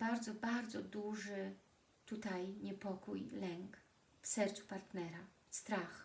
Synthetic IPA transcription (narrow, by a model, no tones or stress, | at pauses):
baɾd̪zɔbaɾd̪zɔd̪uʐɘ | t̪ut̪ajɲɛpɔkujlɛŋk | fsɛɾt̪su̥paɾt̪nɛɾa | st̪ɾax